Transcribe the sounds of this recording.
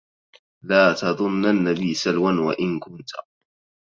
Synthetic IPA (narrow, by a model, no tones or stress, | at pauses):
laːt̪ɑðˤʊnːanːabiːsalwanwa̰ʔɪnkʊnt̪ḁ